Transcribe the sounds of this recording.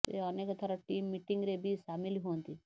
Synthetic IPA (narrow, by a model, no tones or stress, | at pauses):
t̪ḛənekɔt̪ʰaɾaʈiːmːiʈiŋɡɾebʱisamiliɦont̪i